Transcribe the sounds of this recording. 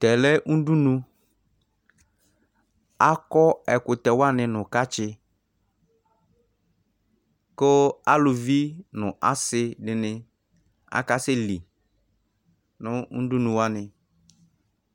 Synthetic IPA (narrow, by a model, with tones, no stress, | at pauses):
tɛ˨lɛ˦ʔu˦du˦nũ˦ | a˦kɔ˦ɛ˨kʊ˨t̪ɛ˨wa˦nɪ˨nʊ˨ka˦t͡ʃɪ˦ | kʊ˦a˦lʊ˨vi˦nʊ̃˨ʔa˦sɪ˦dɪ˨nɪ˦ | a̰˨ka˦sɪ˦li˨ | nʊ˦u˦du˦nũ˨wa˦nɪ˨